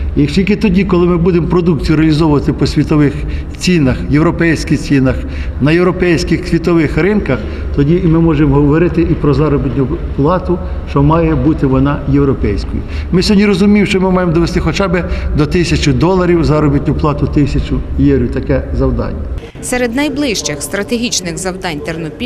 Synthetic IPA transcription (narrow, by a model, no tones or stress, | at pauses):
jɐkʃtʲilʲkɪt̪ɔdʲikɔlˠɪmɪbud̪emɔpɾɔd̪uk̚t͡sʲijʊɾeɪɐlʲizɔwʊʋɐt̪ɪpɔsʲʋʲit̪ɔʋɪx | t͡sʲinɐxjewɾɔpɛjsʲkɪxt͡sʲinɐx | nɐjewɾɔpɛjsʲkɪxsʲʋʲit̪ɔʋɪxɾɪnkɐx | t̪ɔdʲimɪmɔʒemɔɦɔʋɔɾɪt̪ɪʔipɾɔzɑɾɔbʲit̪ʲnʲʊplˠɑt̪ʊ | ʃt͡ʃɔmɑjɛbut̪ɪʋɔnɑjewɾɔpɛjsʲkɔjḭmɪsʲɔnʲiɾɔzʊmʲimʃt͡ʃɔmɪmɑjemɔd̪ɔʋest̪ɪxɔt͡ʃɑbɪd̪ɔt̪ɪsʲɐt͡ʃʊd̪ɔlˠɐɾʲiwzɑɾɔbʲit̪ʲnʲʊplˠɑt̪ʊt̪ɪsʲɐt͡ʃʊjɛwɾʲit̪ɐkɛzɐwd̪ɑ̰nʲːɐ | sɛɾed̪nɐjblˠɪʃt͡ʃɪxst̪ɾɐt̪eɦʲit͡ʃnɪxzɐwd̪ɑnʲt̪ernɔpʲi